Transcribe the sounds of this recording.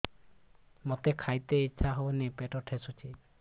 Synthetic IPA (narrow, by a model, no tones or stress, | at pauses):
mot̪ekʰajt̪eit͡ʃʰaɦownepeʈɔʈʰesut͡ʃʰi